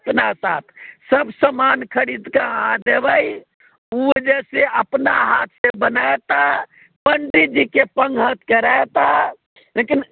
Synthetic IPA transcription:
əpnasat̪ʰsəbsəmankʰəɽid̪kaɦãd̪ebəj | ud͡ʒɛseəpnaɦat̪ʰsebənaet̪a | pəɳɖid͡ʒikepəŋɡɦət̪keɾaet̪a | lekin

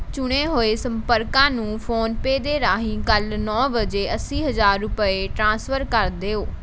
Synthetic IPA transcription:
t͡ʃʊɽ̃eːɦoːeːsəmpəɾkãːnũːpʰoːnpeːd̪eːɾaːɦĩːkəlnɔːbəd͡ʒeːəsiːɦəzaːɾːʊpəeːʈɾãːsfʰəɾkəɾd̪eːoː

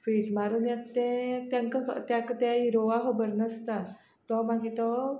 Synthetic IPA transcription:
fɾid͡ʑmaɾunjat̪ɛ̃t̪jaŋkəɦət̪jakət̪ɛiɾoʋaɦəbəɾnəst̪a | t̪ɔmaɡit̪ɔ

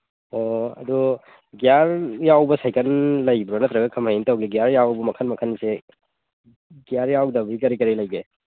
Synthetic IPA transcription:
oɐ̰du | ɡijaɾjawbɐsajkʰɐnlɐjbɾɔnɐtɾɐɡɐkʰɐmɦajintɐwɡiɡijaɾjawbɐmɐkʰɐnmɐkʰɐnːise | ɡjaɾjawdɐbɾikɐɾikɐɾilɐjɡe

